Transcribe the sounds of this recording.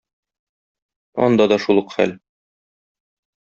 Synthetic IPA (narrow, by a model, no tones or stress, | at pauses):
ɒ̰nd̪ɑd̪ɒʃulˠɤqχæ̰l